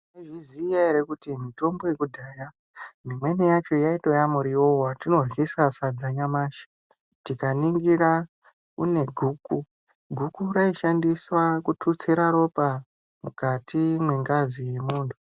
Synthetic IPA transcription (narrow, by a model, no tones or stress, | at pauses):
eʐizijaiɾekutimito̞mbo̞je̞kudʱaːja | mimwe̞nijat͡ʃo̞jaito̞jamuɾiowatino̞rɣisasad͡zaɲamaːʃi̥ | tikaniŋɡiɾa | kṵne̞ɡʱuːku | ɡʱukuɾaiʃandiswakutʰut͡seɾaɾo̞pa | mukatimwe̞ŋɡazije̞muːntʰu̥